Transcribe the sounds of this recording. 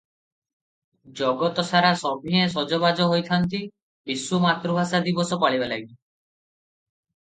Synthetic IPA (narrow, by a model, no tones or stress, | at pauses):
d͡ʒɔɡɔt̪ɔsaɾasɔbʱiẽs̬ɔd͡ʒɔβad͡ʒɔɦojt̪ʰant̪i | bisumat̪ɾubʱasad̪ibɔsɔpaɭibalaɡii